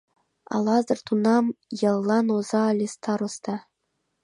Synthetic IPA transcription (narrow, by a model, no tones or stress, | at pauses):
ɑ̰lˠɑzɤ̆rt̪unɑmjɤ̆lˠːɑnozɑːlʲest̪ʰɑɾost̪ɑ